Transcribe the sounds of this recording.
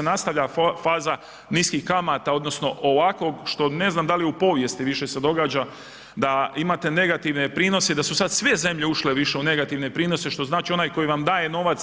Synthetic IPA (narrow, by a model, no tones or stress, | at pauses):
enast̪aʋʎafaːza | niːskixkamaːt̪ao̞d̪no̞sno̞ʔoʋako̞ɡʃt̪o̞ne̞znamd̪alijupo̞ʋje̞st̪iʋiʃe̞se̞d̪o̞ɡaːd͡ʒa | d̪aimaːt̪e̞ne̞ɡat̪iʋne̞pɾiːno̞sed̪asusad̪sʋe̞ze̞mʎe̞uʃle̞ʋiʃe̞une̞ɡat̪iʋne̞pɾiːno̞se̞ʃt̪o̞znaːt͡ʃio̞najko̞jiʋamd̪aːje̞no̞ʋat̪s